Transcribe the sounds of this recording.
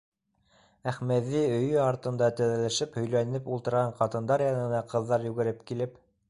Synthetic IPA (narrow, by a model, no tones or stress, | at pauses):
æχmæðːiɵ̆jɵɑɾt̪ɤ̆nd̪ɑt̪ɘ̆ðælæʃɘphɵ̆jlænɘpulˠt̪ɤ̆ɾʁɑɴqɑt̪ɤ̆nd̪ɑɾjɑnɤ̆nɑqɤ̆ðːɑɾjʉɡɘ̆ɾɘp̚kilɘp